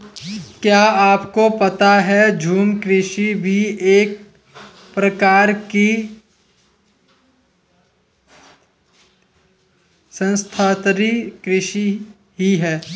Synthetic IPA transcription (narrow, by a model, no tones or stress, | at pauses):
kjaːaːpkopɐt̪aɦɛd͡ʒʱuːmkɾɪʃibʱieːk̚ | pɾəkaːɾki | sə̃nst̪ʰaːt̪ɾikɾɪʃi | ɦiɦɛː